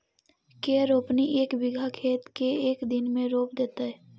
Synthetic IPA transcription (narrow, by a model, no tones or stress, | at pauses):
keːɾoːpniʔeːkbɪɡʱakʰeːt̪keeːkd̪ɪnmẽɾoːpd̪eːt̪aɦɛː